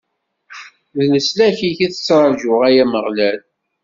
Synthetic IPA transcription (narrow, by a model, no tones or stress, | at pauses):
ðnəslæçiçiθə̥t͡sːɾˤɑʒʊʁæjæməʁlæl